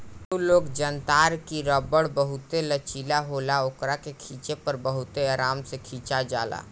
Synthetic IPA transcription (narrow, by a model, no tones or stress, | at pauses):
uloːɡd͡ʒənt̪aːɾkiɾəbəɽbəɦʊt̪elət͡ʃiːlaɦoːlaoːkɾakekʰiːt͡ʃepəɾbəɦʊt̪eaːɾaːmsekʰiːt͡ʃad͡ʒa̰ːla̰ː